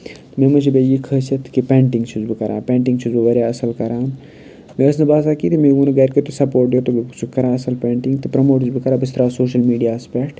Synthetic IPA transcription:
memɐt͡ʃʰibejikʰəːsɐt̪kipẽːɳʈiŋɡt͡ʃʰuzbɨkɐɾʔa̰ːpẽːɳʈiŋɡt͡ʃʰuzbɨʋɐɾjaːɐsɐlkɐɾaːn | meɐsnɐbaːsaːkit̪imeɡuːnɐɡɐɾʲket̪osɐpoːɾʈ̚d̪ot̪obit͡ʃʰukɐɾaːɐsɐlpʲeːɳʈiŋɡt̪ɨpɾɐmoːʈɨzbikɐɾaːbist̪ɐɾaːsoːʃɐlmiːɖijaːspʲekʈ

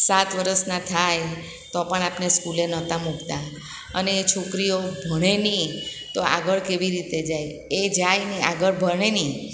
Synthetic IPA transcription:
sat̪ʋəɾəsnat̪ʰaj | t̪ɔpəɳapneskulenət̪ãmukt̪a | əneːt͡ʃʰokɾijobʱəɽ̃enĩt̪oa̰ɡəɭkeʋiɾit̪ed͡ʒaj | ed͡ʒajneaɡəɭbʱəɾɳ̃enĩ

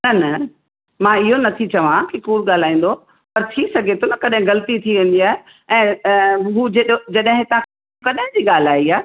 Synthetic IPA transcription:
nɐnɐ | mãːɪɦonɐt̪ʰit͡ɕɐʋãkikuːlɠaːl̤aːĩːn̆d̪o | pɐɾt̪ʰisɐɡʱet̪ʰonɐkɐɗɦɪ̃ɣɐlt̪it̪ʰiʋẽːn̆d̪iaːɦe | ɛ̃ːɦuːd͡ʑed͡ʑɐɗɦɪ̃t̪ɐ̤ãkʰe | kɐɗɦɪ̃d͡ʑiːɠaːl̤aːiaːe

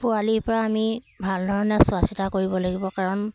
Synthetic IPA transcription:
pʊaliɹpɔɹaːmi | bʱaldʱɔɹɔnɛsʊasitakoɹibɔlaɡibɔkaɹɔn

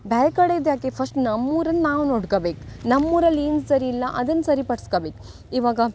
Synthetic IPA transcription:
baːjkɐɽed̪jaːkepʰɐsʈnɐmːuːɾɐnːaːʋnoːɽkɐbeːknɐmːuːɾɐliːnssɐɾiːlːɐʔɐd̪ɐnːsɐɾipɐɽɐskɐbeːk | iʋaːɡɐ

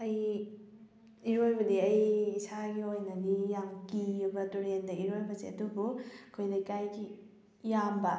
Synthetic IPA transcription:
ɐj | iɾojbɐdiɐjsaɡiojnɐnijaŋkijubɐtuɾendɐiɾojbɐzeɐdubuɐkʰojnɐkajɡi | jambɐ

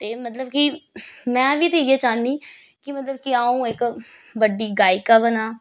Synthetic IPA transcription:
t̪eːmət̪ləb̚kimɛ̃ːʋiːt̪iːeːt͡ʃaːnːiː | kɪmət̪ləb̚kiaːũːɪk | bəɖiːɡaːikaːbənaː

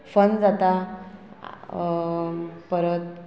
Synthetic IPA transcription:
fənd͡zat̪a | pəɾət̪̚

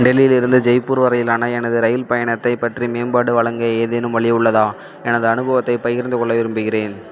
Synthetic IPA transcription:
ɖɛlɪjɪlɪɾɯnd̪ɯd͡ʒɐɪpːuːɾʋɐɾɐjɪlaːnɐɛnɐðɯɾɐjɪlpɐjɐɳɐt̪ːɐɪpːɐʈrimeːnbaːɽɯʋɐɭɐŋɡɐeːðeːnɯmʋɐɭɪjɐʊɭːɐðãː | ɛnɐðɯɐnɯbɐʋɐt̪ːɐɪpɐjɪɾɯnd̪ɯkɔɭːɐʋɪɾɯmbɯɣɪreːn

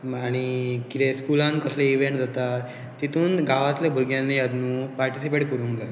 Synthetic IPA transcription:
maɽ̃ikit̪eskulãnkəsleiʋẽɳʈd͡zət̪a | t̪ːit̪ũːnɡaʋat̪lebʱuɾɡjãnːead̪nũpaɾʈisipeʈkəɾũŋɡa

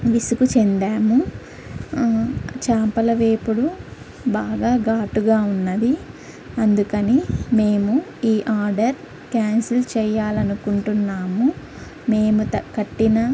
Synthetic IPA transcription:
ʋisukut͡ʃend̪aːmu | t͡ʃaːmpɐlɐʋe̞ːpuɽu | baːɡaːɡaːʈuɡaːunːɐd̪i | ɐnd̪ukɐnime̞ːmuiːʔaːɾɖɐɾ | kaːnsilt͡ʃɛːjːaːlɐnukuɳʈunːaːmu | me̞ːmuɐkɐʈːinɐ

